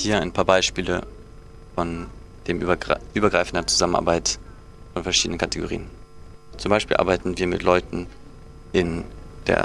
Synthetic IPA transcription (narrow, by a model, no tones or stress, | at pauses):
hiːɐaɪnpʰaːɐbaɪʃpiːlə | fɔn | d̥eːmʔɐʔyːbɐɡʁaɪfn̩dɐt͡suzaməna̰ɐbaɪt | fɔnfɛɐʃiːdənənkʰateɡoʁḭːən | t͡sʊmbaɪʃpiːlʔa̰ɐbaɪtn̩viːɐmɪ̰tlɔʏtn̩ | ʔɪnd̥ḛːɐ